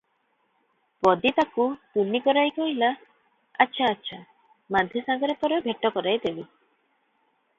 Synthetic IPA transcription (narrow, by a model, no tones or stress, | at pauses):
pɔd̪it̪akut̪unikɔɾajkɔɦila | atːʃʰaːtːʃʰa | mad̪ʱjɔsaɡɔɾepɔɾebʱeʈːɔkɔɾajd̪ebi